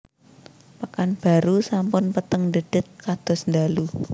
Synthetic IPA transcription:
pəkanb̥a̤ɾusampʊnpət̪əŋnd̪əɖ̥ɪ̤t̪̚kad̪̥ɔ̤snd̪alu

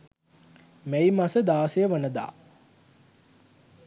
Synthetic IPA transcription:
mæjimasəd̪aːsejəʋənəd̪a̰ː

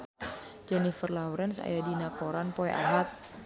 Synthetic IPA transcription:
d͡ʒɛnifərlawɾɛnsa̰jadinakoɾanpoeʔa̰ɦat̪̚

